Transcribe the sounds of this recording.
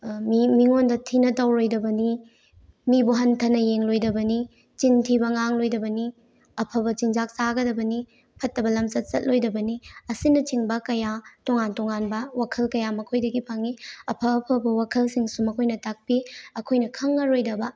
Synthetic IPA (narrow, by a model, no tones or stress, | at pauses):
mmiŋondɐtʰinɐtɐwɾojdɐbɐni | mibuɦɐntʰɐnɐjeŋlojdɐbɐni | t͡ʃintʰibɐŋaŋlojdɐbɐni | ɐpʰɐbɐt͡ʃiŋzak̚saɡɐdɐbɐni | pʰɐtːɐbɐlɐmsɐt̚sɐt̚lojdɐbɐniɐsinɐt͡ʃiŋbɐkɐjatoŋantoŋanbɐwakʰɐlkɐjamɐkʰojdɐɡipʰaŋiɐpʰɐːpʰɐbɐwakʰɐlsiŋsumɐkʰojnɐtak̚piɐkʰojnɐkʰɐŋːɐɾojdɐbɐ